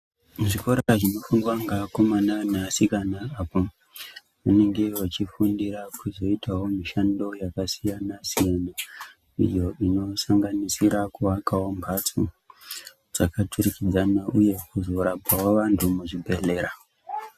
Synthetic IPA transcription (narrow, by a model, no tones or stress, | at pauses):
uʐiko̞ɾaʐino̞fuŋɡwaŋɡako̞mananasikanaːpo | ʋane̞ŋɡe̞wat͡ʃifundiɾakuzo̞itawo̞miʃando̞jakasijanasijana | ḭjo̞ino̞saŋɡanisiɾakuʋakawombʱat͡su | d͡zakatʰurikid͡zanaʔuje̞kuzo̞ɾapawoʋantʰumuʐibʱe̞le̞ːɾa